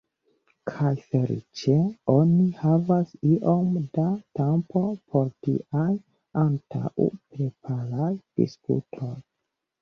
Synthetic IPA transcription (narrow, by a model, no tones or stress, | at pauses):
kʰajfe̞lḭt͡ʃe̞o̞nihavasiʔo̞mdatempo̞pʰo̞ɾtḭʔaj | antʰa̰wpɾepʰaɾajd̥ḭspṵtʰo̞j